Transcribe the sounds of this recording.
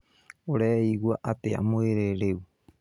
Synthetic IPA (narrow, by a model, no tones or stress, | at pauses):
oɾeiɡuaʔat̪ea̰moeɾeɾew